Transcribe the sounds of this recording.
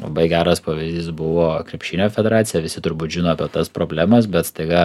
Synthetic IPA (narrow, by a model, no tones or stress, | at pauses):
lˠɐ̰bɐɪɡʲæːɾɐspoːʋʲɪzʲd̪ʲiːsbʊʋoːkɾʲɛpʲʃʲɪnʲoːfʲɛdʲɛɾɑːt̪sʲɪjɛʋʲɪsʲɪt̪ʊɾbuːt̪ʒʲɪnoːɐpʲɛt̪ɐspɾoːbʲlʲæːmɐs̬bʲɛt̪st̪ɐɪɡɐ